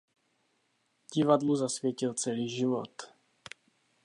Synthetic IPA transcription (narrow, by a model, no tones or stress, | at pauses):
ɟɪvadluzasvjɛcɪlt͡sɛliːʒɪvo̰t̪